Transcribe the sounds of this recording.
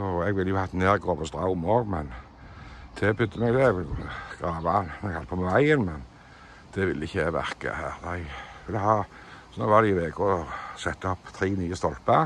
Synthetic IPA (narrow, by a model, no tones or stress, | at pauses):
ɔɛɡʋɪlːəjʊhɑt̪neːʁɡoːʋəst̪ʁɑʊmoːɡmɛn | d̪̥ʰɛpʰʏd̪əmɛɡd̪ɛʋɪlɡ̥ʁɑːʋaɛɡhɑlt̪pʰɔmʋæɪənmɛn | d̪̥ɛʋɪlːəɪçːəʋæ̰ʁkə̰hæːʁd̪æɪʋɪlːəhɑː | sɔnɔʋɑd̪iʋeːɡʊɔsɛt̪ːəɔpt̪ʰɾiːniːəst̪ɔlpə